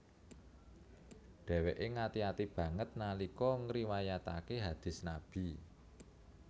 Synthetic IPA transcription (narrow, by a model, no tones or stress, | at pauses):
d̪̥ɛ̤weʔeŋat̪iat̪ib̥ä̤ŋət̪̚nalikɔŋɾiwajat̪akeɦad̪̥ɪ̤snab̥i̤